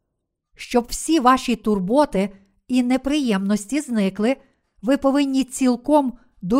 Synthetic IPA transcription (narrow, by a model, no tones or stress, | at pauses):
ʃt͡ʃɔbwsʲiʋɑʃʲit̪ʊrbɔt̪ɪ | inepɾɪjɛmnɔsʲtʲiznɪklˠɪ | ʋɪpɔʋɪnʲːit͡sʲilˠkɔm | d̪u